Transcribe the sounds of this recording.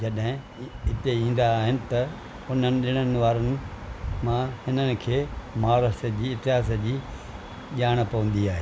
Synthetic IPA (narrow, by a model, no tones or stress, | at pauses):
d͡ʑɐɗɦɪ̃ | ɪt̪eĩːn̆d̪aːɦɪnɪ̆t̪ɐ | ʊnənɪ̆ɗɪɽ̃ənɪ̆ʋaːɾənɪ̆ | mãhɪnənɪ̆kʰeːmaːɾəsəd͡ʑiːɪt̪ɪɦaːs̬əd͡ʑiː | ʄaːɽ̃pɐʋə̃nd̪iaːɦe